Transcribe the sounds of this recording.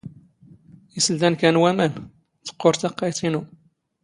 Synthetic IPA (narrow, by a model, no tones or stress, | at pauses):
isəld̪ænkænwæmæn | θə̥qːoɾθɑqːɑjt̪ˤinu